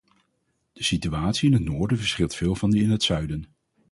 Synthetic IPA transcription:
d̥əsityaːtsiɪnɦətnoːɹdəvəɹsχɪlˠtfɪːlˠvɑndiɪnɦətsœɥdən

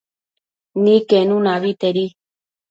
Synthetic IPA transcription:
nĩkenũnãβit̪eɾi

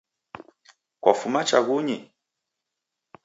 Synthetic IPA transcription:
kwafumat͡ʃaɡuɲi

